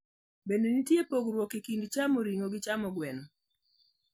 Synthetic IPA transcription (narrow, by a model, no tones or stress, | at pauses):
bendenitjepoɡɾwɔkikindt͡ʃamoɾiŋoɡɪt͡ʃamɔɡwɛnɔ